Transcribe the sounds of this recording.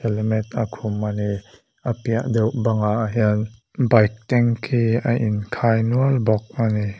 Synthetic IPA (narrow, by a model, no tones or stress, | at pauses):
ɛlmɛt̪akʰʊmani | ʔəpiəʔd̪ɛwʔbaŋaʔɦiən | bajk̚t̪ɛŋkʰiːəʔinkʰaːjnuəlbɔk̚ani